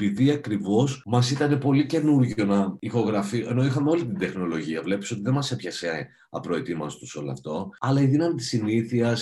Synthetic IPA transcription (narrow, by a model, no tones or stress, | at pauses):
epiðiɐkɾivo̞smɐsit̪ɐne̞po̞lice̞nuɾʝonɐixo̞ɣɾɐfie̞no̞ixɐmeo̞lit̪ind̪e̞xno̞lo̞ʝiɐvle̞piso̞t̪iðemɐse̞pçɐse | ɐpɾo̞et̪imɐst̪u̥so̞loɐ̰ft̪o̞ɐlɐiðinɐmit̪i̥siniθiɐs